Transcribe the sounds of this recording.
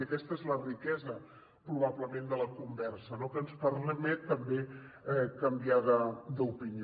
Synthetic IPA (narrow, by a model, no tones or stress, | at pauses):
əkɛst̪əezlərikɛzə | pɾuβ̞aβləmend̪ələkumbɛɾsənokənspərmmɛt̪ːəmbe | ɛkəmbiaðəd̪upini